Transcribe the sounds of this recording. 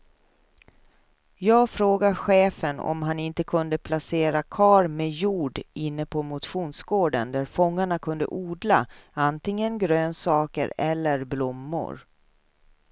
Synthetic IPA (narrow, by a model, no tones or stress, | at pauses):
jɑːɡfɾoːɡaɧeːfənɔ̰mɦanɪnt̪əkʰɵnd̪əpʰlaseːɾakʰɑːɾmejuːɖɪnːəpʰɔmʊt̪ɧuːnsɡoːɖə̰nd̪æɾfɔŋːaɳakʰɵnd̪ə̰ʔuːd̪laant̪ɪŋːənɡɾøːnsɑːkə̰ɾɛlːəɾblʊmːʊ̰ɾ